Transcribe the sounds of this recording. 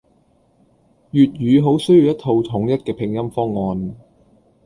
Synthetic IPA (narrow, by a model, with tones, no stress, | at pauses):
jyː˨t̚ɥyː˨˧ɦo˨˥wsɵ˥ɥji˨wjɐ˥t̪ʰo˧wt̪ʰʊ˨˥ŋjɐ˥t̚kɛː˧pʰɪ˨˩ŋjɐ˥mfɔː˥ŋːɔː˧n